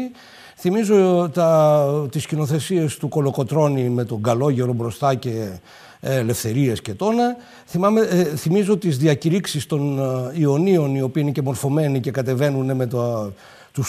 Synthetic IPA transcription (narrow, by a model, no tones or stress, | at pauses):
θimizo̞t̪ɐt̪iscino̞θe̞sie̞st̪uko̞lo̞ko̞t̪ɾo̞nime̞t̪o̞ŋɡɐloʝe̞ɾo̞bɾo̞st̪ɐce̞ | le̞fθe̞ɾie̞sce̞t̪o̞nɐ | θimɐmeθimizo̞t̪izðiɐciɾiksist̪o̞nio̞nio̞nio̞piiinece̞mo̞ɾfo̞me̞nice̞kɐt̪e̞ve̞nuneme̞t̪ | t̪us